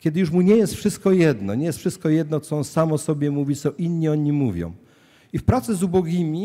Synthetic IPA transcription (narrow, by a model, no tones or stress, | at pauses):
kʲɛd̪ɘjuʂmuɲɛjɛst̪fʂɘst̪̚kɔjɛd̪nɔɲɛjɛst̪fʂɘst̪̚kɔjɛd̪nɔt̪sɔɔnsamɔsɔbʲjɛmuvʲit̪sɔ̃ʔinɲiɔɲimuvʲjɔ̰̃w̃ | ifpɾat̪sɛzubɔɡʲimʲi